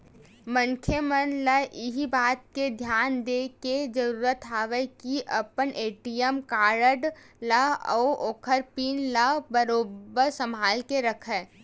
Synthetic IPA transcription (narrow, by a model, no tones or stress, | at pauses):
mə̃ŋkʰjəmənləʔɪɦibaːt̪̚ked̪ʱjaːnd̪eːked͡ʒəɾuːɾət̪ɦaːʋəkiʔɐpənʔeːʈijəmkaːɾəɖ | ləɔ̰ːoːkʰəɾpiːnləbəɾoːbəɾsəmaːlkeɾɐkʰɦɛː